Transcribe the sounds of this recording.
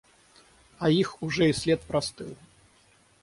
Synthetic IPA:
ɐixuʐɛisʲlʲɛt̪̚pɾast̪ɨwˠ

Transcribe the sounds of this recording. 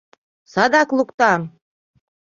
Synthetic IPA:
sɑd̪ɑklˠukt̪ɑm

